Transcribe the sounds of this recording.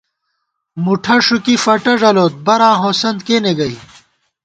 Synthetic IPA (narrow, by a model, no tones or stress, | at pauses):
muʈʰɐʂukifɐʈɐʐɐloːt̪̚bɐɾãːɦõːsɐnd̪̚keːneɡɐi